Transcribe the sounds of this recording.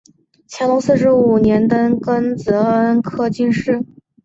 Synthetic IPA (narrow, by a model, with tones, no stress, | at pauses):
t͡ɕʰjɑ˧˥t̪o˧˥ŋsɹ̩˥˩ʂɻ̩˧˥u˨˩njɛ˧˥nt̪ə˥nkə˥nt͡sɤ˧˥ə˥nkʰɤ˥˧t͡ɕi˥˧nʂɻ̩˥˩